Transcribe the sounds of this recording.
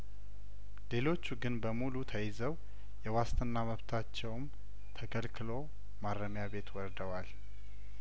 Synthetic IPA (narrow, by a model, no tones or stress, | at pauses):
le̞lo̞t͡ʃːuɡɨnbəmulut̪ʰəjɪzəw | jɛwast̪ʰɨnːaməβt̪ʰat͡ʃːɛwm | t̪ʰəkʰəlkʰɨlo̞ | maɾːəmjaβe̞t̪wɔɾd̪əwal